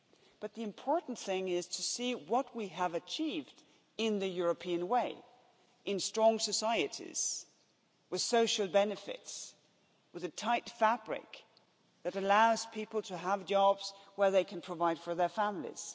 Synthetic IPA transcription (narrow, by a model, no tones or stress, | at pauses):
b̥ʌt̪̚ðiɨ̃mpʰɔɹʔn̩θɪ̃ŋɪz̥tʰɨsiwʌt̚wiəvɨt͡ʃʰivd | ɪ̃nðɨjʊɹɨpʰiɨ̃nweɪ | ʔɨ̃nstɹ̥ɔ̃ŋsɨsaɪɨɾḭz̥ | wɨð̥soʊʃl̩ˠbɛnɨfɪ̰ts | wɨðɨtʰaɪtfæb̥ɹɪ̰k | ðɨɾɨlaʊz̥pʰipl̩ˠtʰɨəvd͡ʒɑbz̥wə˞ðeɪkʰɨ̃n̩pʰɹ̥əvaɪd̥fə˞ðə˞fæ̃mlḭz̥